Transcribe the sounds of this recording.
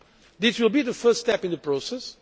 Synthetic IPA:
ðɪswɪlˠbiðəfɜ˞ststɛpɪ̃nðəpɹosɛs

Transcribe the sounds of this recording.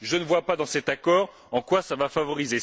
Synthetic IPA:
ʒənəvwapad̪ɑ̃sɛt̪akɔːʁ | ɑ̃kwasavafavɔʁize

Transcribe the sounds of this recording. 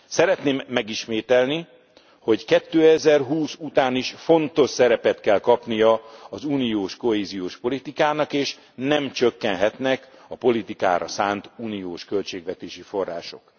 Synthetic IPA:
sɛɾɛt̪neːmːɛɡiʃmeːt̪ɛlni | ho̞ɟkɛt̪ːøːɛzɛrɦuːsut̪aːniʃfo̞nt̪o̞ʃsɛɾɛpɛt̪kɛlkɒpnijɒɒzuːnijoːʃko̞ɦeːzijoːʃpo̞lit̪ikaːnɒkeːʃ | nɛmt͡ʃøkːɛnɦɛt̪nɛkɒpo̞lit̪ika̰ːɾɒ̰saːnt̪uːnijoːʃkø̞lt͡ʃeːɡʋɛt̪eːʃifo̞rːa̰ːʃo̞̰k

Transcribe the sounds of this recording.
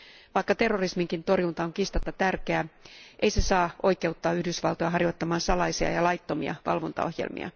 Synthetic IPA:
ʋɑikːɑt̪erːorismiŋkint̪o̞rjunt̪ɑoŋkist̪ɑt̪ːɑt̪ærkeæːʔeisesɑːʔo̞ike̞ut̪ːɑːyhdysʋɑ̰lt̪ojɑɦɑrjot̪ːɑmɑːnsɑlɑisiɑ̰jɑlɑjt̪ːo̞mḭɑ̰ʋɑ̰lʋo̞nt̪ɑ̰ohjḛlmḭɑ̰

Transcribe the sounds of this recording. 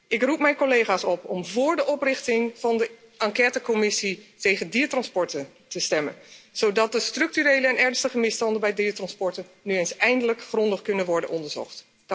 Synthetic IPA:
ʔɪkrupmɛjnkolejχaːsɔpɔmvʊːɹdəʔɔprɪχtɪŋv̥ɑndə | ɑŋkɛːtəkomɪsitejχəndiːɹtrɑnspɔɹtən | təstɛmə̰nz̥owdɑt̚dəstrɵk̚tyrejləɛnɛɹnstəχəmɪstɑndəbɛjdiːtrɑnspɔɹtə | nyejnsɛjndələkχrɔndəχkɵnənʋɔɹdə̰nʔɔndəɹz̥ɔ̰χt

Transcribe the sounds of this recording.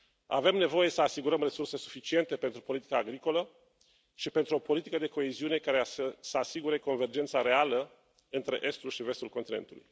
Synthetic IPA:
a̰ve̞mne̞vo̞je̞səasiɡuɾəmre̞surse̞su̥fit͡ʃie̞nt̪epent̪ɾupo̞lit̪i̥kaːɡɾiko̞lə | ʃipe̞nt̪ɾuopo̞lit̪ikəd̪e̞ko̞eziune̞kaɾeasəasiɡuɾe̞ko̞nve̞rd͡ʒe̞nt̪saɾe̞alə | ɨnt̪ɾe̞̰ʔe̞st̪ulʃive̞st̪ulkont̪ine̞̰nt̪ulṵj

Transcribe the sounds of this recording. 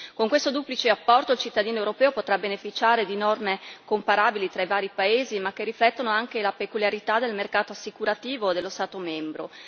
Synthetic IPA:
koŋkwest̪od̪uːplit͡ʃeapːɔrt̪oilt͡ʃit̪ːad̪iːnoewɾopɛːopot̪ɾabenefit͡ʃaːɾed̪inɔrmekompaɾaːbilit̪ɾaivaːɾipaeːzimak̟ːerːiflɛt̪ːonoaŋkelapekuljaɾit̪ad̪elmerkaːt̪oasːikuɾat̪iːvod̪elːost̪aːt̪omɛmbɾo̰

